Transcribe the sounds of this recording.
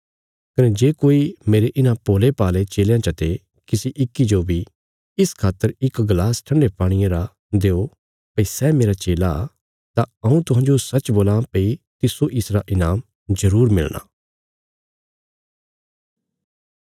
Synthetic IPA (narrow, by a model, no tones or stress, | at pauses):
kɐnɛd͡ʒeːkoːimeːɾeʔɪnãpoːlepaːlet͡ʃeːljãt͡ʃɐt̪e | kɪsiʔɪkːid͡ʒobʱi | ɪskʰaːt̪ːəɾɪkɡlaːsʈʰɐ̃ɳɖepaːɽ̃ɪjẽɾa | d̪eːo | pɐisɛmeːɾat͡ʃeːla | t̪aɐ̃ũt̪ʊɦãːnd͡ʒosɐt͡ʃboːlãpɐit̪ɪsoʔɪsɾaʔɪnaːm | zɐɾuːɾmɪ̰lɽ̃a̰ː